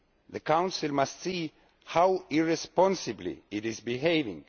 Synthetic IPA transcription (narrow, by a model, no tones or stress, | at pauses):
ðɨkãw̃nsɨlmastsi | hawiɹɛspɔ̃nsɨblḭɪɾɪzbiɦeɪvɪ̰̃ŋ